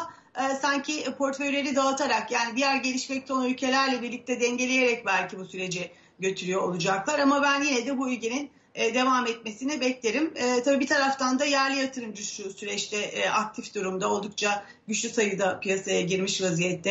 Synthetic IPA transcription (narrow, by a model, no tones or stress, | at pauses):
saɲcʰipʰo̞ɾt̪fø̞jlʲe̞ɾid̪aat̪ʰaɾakjaːnid̪ijæɾɟe̞lʲiʃmɛc̚t̪o̞nylʲcʰe̞lʲæɾlʲɛbiɾlʲic̚t̪ʰɛd̪ɛɲɟe̞lʲeje̞ɾɛc̚bælʲcʰibusyɾe̞d͡ʒɛ | ɟø̞t̪ʰyɾyjoo̰lˠud͡ʒaklˠaɾamabænjinɛd̪ɛbuylʲce̞ninː | d̪e̞vamɛt̪̚me̞sinibɛclʲeɾimɛt̪ʰabiːbit̪ʰaɾaft̪ʰand̪ajæɾlʲijat̪ʰɯɾɯmɟyʃlʲysyɾɛt͡ʃt̪ʰɛʔʔak̚t̪ʰifd̪uɾumd̪ao̞lˠd̪uk̚t͡ʃʰa | ɟyt͡ʃlʲysajɯd̪apijasajaɟiɾmiʃvazijɛt̪ʰːɛ